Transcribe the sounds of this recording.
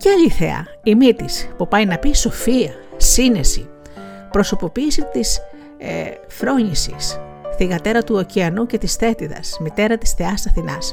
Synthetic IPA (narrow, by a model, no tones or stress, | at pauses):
ceɐʎiθḛɐ̰ | imit̪ispupɐjnɐpiso̞fiɐ | sine̞sḭ | pɾo̞so̞po̞piːsit̪is | e | fɾo̞ɲisḭs | θiɣɐt̪e̞ɾɐt̪uociɐnuce̞t̪isθe̞t̪iðɐ̰smit̪e̞ɾɐt̪i̥sθe̞ɐsɐθinɐs